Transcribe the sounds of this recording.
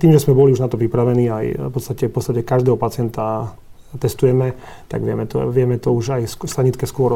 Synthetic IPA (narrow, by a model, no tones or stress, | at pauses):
t̪iːmʒɛsmɛbɔliuʒnat̪ɔpɾipɾaʋɛniːajpɔt̪st̪acɛfpɔt̪t͡st̪acɛkaʒd̪ɛːɦɔpat͡sɪɛnt̪a | t̪ɛst̪ujɛmɛ | t̪a̰ɡʋɪɛ̰mɛt̪ɔ̰ʋɪɛmɛt̪ɔuʒajsst̪aɲit̪kɛskʊɔɾ